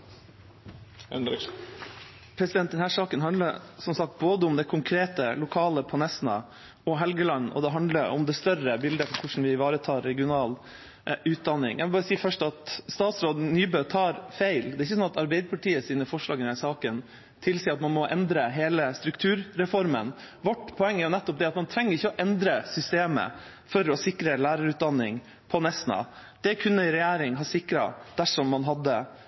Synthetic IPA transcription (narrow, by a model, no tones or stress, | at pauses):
pʰɾɛsɪd̪ɛn̚d̪ɛnhæːʂɑːkənɦɑnd̪əɾsɔmsɑk̚t̪̚boːd̪əʊmd̪ɛkʰʊŋkʰɾeːt̪əlʊkʰɑːləpʰɔnɛsnɑ̰ | ɔɦɛlɡəlɑnːɔ̰d̪ɛɦɑnd̪ləɾʊ̰md̪ɛst̪œrəbɪld̪əfɔɾkʰʊʂn̩ʋɪʋɑːɾət̪ʰɑːɾːɛɡɪʊnɑːl | ʉːt̪̚d̪ɑnːɪ̰ŋjʔæɪʋlbɑːɾəsiːfœʂʈɑt̪st̪ɑːt̪sɾoːd̪nyːbøːt̪ʰɑːɾfeɪld̪ɛːɾɪçːəsɔnɑt̪ɑɾbɛɪd̪əpʰɑʈiːəsiːnəfɔʂɭɑ̰ːɡənd̪æsɑːkən | t̪ʰɪlsiːəɾɑt̪mɑnmɔʔɛnd̪ɾəɦeːləst̪ɾʉkt̪ʰʉːɾɾɛfɔɾmən | ʋɔʈːpʰɔɛŋːæɾjʊnɛt̪ːɔp̚d̪ɛɑt̪mɑnt̪ʰɾɛŋːəɾɪçːəɔʔɛnd̪ɾəsʏst̪eːmə̰ | fɔɾɔsɪkɾəlæːɾɑɾʉːt̪̚d̪ɑnːɪŋ | pʰɔnɛsnɑ̰d̪̥ɛkʰʉnːəɪɾɛjæːɾɪŋɦɑːsɪkɾɑ̰d̪̥æʂɔmːɑnɦɑd̪ːə